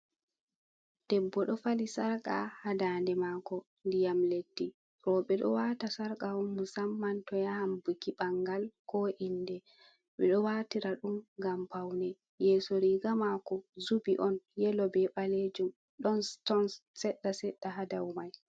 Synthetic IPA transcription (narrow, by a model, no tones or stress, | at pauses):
d̥ɛbːɔɗɔfalisaɾkʼa̰hadaːndɛmaːkɔ | ndijamledːi | ɾɔɓɛɗɔ̰waːtasaɾkʼaɔmːusamːantɔjahambukiɓaŋɡalkɔʔindɛ | ɓɛɗɔwatiɾaɗumɡampawnɛ | jɛːsoɾiːɡamakɔzubiʔɔnjɛlɔbɛɓaled͡ʒum | ɗɔntɔnsɛɗːasɛɗːaɦadawmaj